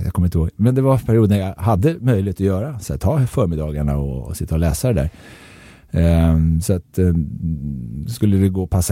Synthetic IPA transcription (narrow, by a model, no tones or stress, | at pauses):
ja̰kʰɔmɾɪnt̪əhoːɡmɛnd̪ɛvaɾpʰæɾɪuːd̪najahad̪ːəmœjlɪheːt̪ɔjœːɾasɛt̪ʰːɑːfœːɾmɪd̪ɑːɡaɳaɔ̰sɪt̪ʰːaɔlɛːsad̪ɛd̪æ̰ːɾ | sɔat̪ | skɵlːəd̪ɛɡoːpʰasː